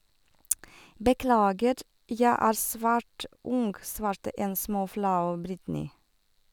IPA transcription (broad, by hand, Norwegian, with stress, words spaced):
bəˈklɑːɡəɾ ˈjæ ˈæːɾ ˈsʋæːʈ ˈʊŋɡ ˈsʋɑːɾtə ˈeːn ˈsmoːˌflɑʉ ˈbɾɪtnɪ